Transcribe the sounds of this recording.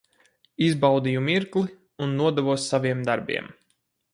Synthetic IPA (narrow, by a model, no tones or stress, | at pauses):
izbawd̪ijumiɾklˠi | unːuɔd̪ɛvuɔsːaviɛmd̪aɾbḭɛm